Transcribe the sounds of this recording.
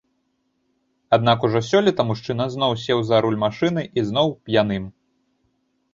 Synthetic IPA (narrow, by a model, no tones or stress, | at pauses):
ad̪̚nakuʐɔsʲɔlʲɛt̪ɐmuʂt͡ʂɨnɐznɔwsʲɛwzɐɾulʲmaʂɨnɨʔizn̪ɔwpjanɨm